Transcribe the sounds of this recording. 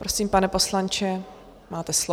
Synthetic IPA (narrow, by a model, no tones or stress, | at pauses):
pɾo̞siːmpanɛpo̞slant͡ʃɛ | maːt̪ɛslo